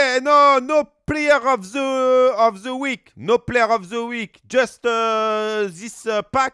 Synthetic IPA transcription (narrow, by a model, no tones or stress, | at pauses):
ɛnonoplejəʁɔvzəɔvzəwiknopleəʁɔvzəwikd͡ʒastə | zispak̚